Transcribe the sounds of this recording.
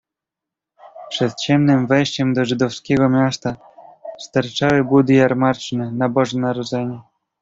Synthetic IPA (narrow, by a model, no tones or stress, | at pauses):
pʂɛt̪t͡ɕɛmnɘmvɛjɕt͡ɕɛmd̪ɔʐɘd̪ɔfskʲɛɡɔmʲjast̪a | st̪aɾt͡ʂawɘbud̪ɘjaɾmaɾt͡ʂnɛnabɔʐɛnaɾɔd̪zɛɲɛ